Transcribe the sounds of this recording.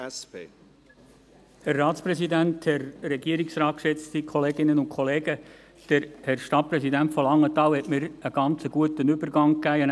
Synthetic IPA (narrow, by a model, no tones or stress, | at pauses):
pe | hærːɑːt̪spɾɛsid̪ænt̪hɛɾːɛɡiəɾiksɾɑːt̚kʃɛt͡st̪ikʰχɔleːɡɪnənʊnkʰχɔleːɡ̥ə | d̥əɾhɛɾʃtɑt̚pɾɛsidæntfɔlɑŋːət̪ɑːwhɛtmɪɾəɡ̥ɑnt͡səɡ̥uətənʏbəɾɡɑŋkæːən